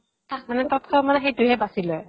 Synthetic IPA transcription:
tak̚manɛtɔtʰɔmanɛxejtuɦɛbasilɔj

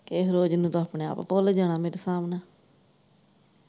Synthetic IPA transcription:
keːɦɾoːd͡ʒnũːt̪õaːpɳeːa̰ːppoːled͡ʒaːɽ̃aːmeːɾesaːmnaː

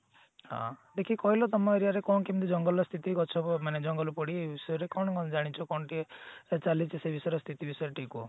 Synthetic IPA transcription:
hã̰d̪ekʰikɔɦilɔt̪ɔmɔeɾiaɾekɔnkimt̪̬ud͡ʒɔŋɡɔlɔst̪ʰit̪ikɔt͡ʃʰɔmaned͡ʒɔŋɡɔlɔpɔɽiebisɔjɔɾekɔɳ̃ɔkɔnɔd͡ʒaɽ̃it͡ʃʰɔkɔɳɔʈiet͡ʃalit͡ʃsebisɔjɾɔst̪ʰit̪ibisɔjɔɾeʈʰiku

